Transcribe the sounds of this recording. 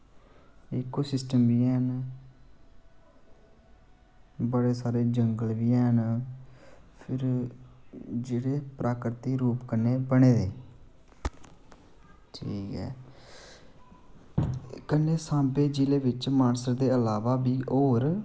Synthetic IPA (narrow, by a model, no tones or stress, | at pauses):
ɪkːoːsɪsʈəmbiːɛːn | bəɽeːsaːɾeːd͡ʒəŋɡəlʋiːɛːɦn | pʰɪɾ | d͡ʒeːɽeːpɾʔaːkɾət̪iːɾuːpkənːeːbəɽ̃eːd̪eː | ʈʰiːkɛ̰ː | kənːeːsãːbeːd͡ʒileːʋɪt͡ʃmaːnsəɾd̪eːəlaːʋaːbiːʔoːɾ